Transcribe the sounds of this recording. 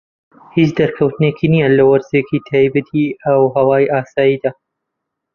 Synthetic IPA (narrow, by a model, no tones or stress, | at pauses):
hit͡ʃd̪ɐɾkʰɐwt̪ɨnekʰinijɐlɐwɐɾzekiːt̪ʰaːjbɐt̪ʰiɐwɦɐwaːjʔaːsaːjiːd̪aː